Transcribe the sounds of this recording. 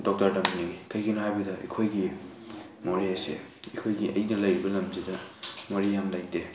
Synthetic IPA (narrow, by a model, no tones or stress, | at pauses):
dɔk̚tɐɾdɐmniŋikʰɐjɡinɐhajbɐdɐʔḛkʰojɡi | moɾisḛ | ekʰojɡiʔɐ̰jnɐlɐjɾibɐlɐmzidɐmoɾihamdaj̚de